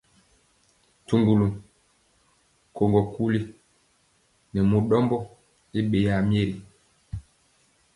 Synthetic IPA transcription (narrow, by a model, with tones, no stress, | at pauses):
tu˨ŋɡu˨lu˨ | ko˨ŋɡɔ˨ku˦li˦ | nɛ˨mu˨ɗɔ˦mbɔ˦ | i˦ɓe˨ja˨m˦e˦ɾi˨